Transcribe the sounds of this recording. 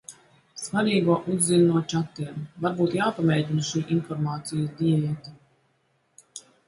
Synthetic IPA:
svaɾiːɡuɔʔuzːinnuɔt͡ʃat̪ːiɛmvaɾbuːt̪jaːpamʲɛːɟinʃiːʔinfɔɾmaːt̪sijasd̪iɛviɛt̪i

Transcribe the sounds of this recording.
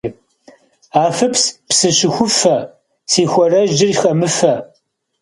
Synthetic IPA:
aːfɨpspsɨɕɪxʷʊfɐ | sʰiːxʷɔrɐʒd͡ʒɪrixɐmɨfɐ

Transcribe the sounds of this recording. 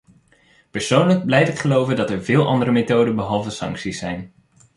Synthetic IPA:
pəɹsownləɡ̚blɛjtɪkχəlowvəndɑtɛɹvɪːlˠʔɑ̰ndəɾəmetowdənbəɦɑlˠvəsɑ̰ŋksisɛjn

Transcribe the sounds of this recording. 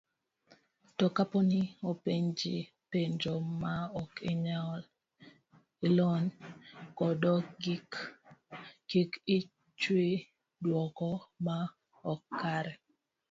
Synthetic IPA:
tɔkapɔnɪopeɲd͡ʒɪ | peɲd͡ʒomaɔkɪɲaɔl | ɪlɔnkɔdɔɡik | ɡikɪ | t͡ʃwe | dwɔkɔma | ɔkːaɾɛ

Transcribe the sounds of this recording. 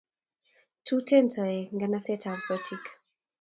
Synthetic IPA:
tʰutʰɛntʰaeŋɡanasɛtʰawsɔtʰik

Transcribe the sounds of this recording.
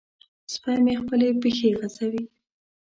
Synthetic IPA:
spɑjmexpəlepixeɣazawi

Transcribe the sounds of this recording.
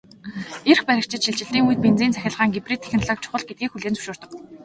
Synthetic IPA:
erxpæɾʲɪ̆kt͡ɕɪ̆t̪ʃiɮt͡ɕɪ̆ɮt̪iːŋujt̪̚pent͡siːnt͡sʰæxʲăːɮʁaːŋɡepriːt̪ʰe̥xʲnɮɔːk̚t͡ɕʰʊ̥χə̆ɮɡet̪ɡiːkxuɮeːnt͡sɵ̥ʃʊːr̥t̪ə̆k

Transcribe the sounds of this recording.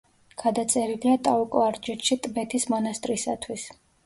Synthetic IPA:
ɡ̥ad̪at̪sʼɛɾiliat̪ʼaukʼɔaɾd͡ʒɛt̪ʃit̪ʼbɛt̪ʰismɔnast̪ʼɾisat̪ʰwis

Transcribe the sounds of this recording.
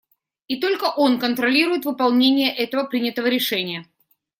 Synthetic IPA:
it̪o̞lʲkəʔo̞nkənt̪ɾɐlʲiɾʊjɪt̪vɨpalˠnʲenʲɪjəʔɛt̪əvəpɾʲinʲɪt̪əvəɾʲɪʂɛnʲɪjə

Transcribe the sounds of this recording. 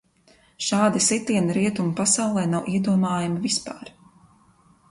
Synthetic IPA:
ʃaːd̪isit̪iɛnɾiɛt̪umpasawlˠɛːnawʔiɛd̪uɔmaːjamivispa̰ːɾ

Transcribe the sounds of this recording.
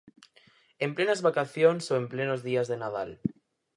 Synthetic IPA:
emplenazβakaθjonsoemplenozðiazðenað̞al

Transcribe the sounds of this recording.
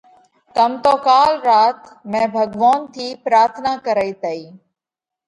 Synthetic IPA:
kəmt̪oːkaːlɾaːt̪mɛ̃ːbʱəɡʋaːnt̪ʰiːpɾaːɾt̪ʰnaːkəɾəiːt̪əiː

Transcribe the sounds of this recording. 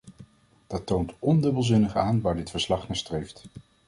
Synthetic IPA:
d̥ɑtowntɔndɵbəlˠzɪnəχaːnʋaːɹdɪtfəɹslɑχnaːstrejft

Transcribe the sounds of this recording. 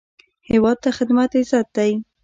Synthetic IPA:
hɪwɑd̪̚t̪axɪd̪mat̪ɪzɑt̪̚d̪aj

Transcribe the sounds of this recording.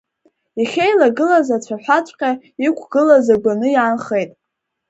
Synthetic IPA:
iχʲejlaɡɨlazat͡ɕʷʰaħʷᶣat͡ʃʷʰʼqʲʼa | ikʷʰɡ̥ɨlazaɡʷanɨjaːnχejtʼ

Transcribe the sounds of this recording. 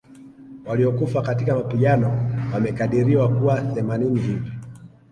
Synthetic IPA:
waliɔkufakatikamapiʄanɔwamɛkaɗiɾiwakuwaθɛmaninivibi

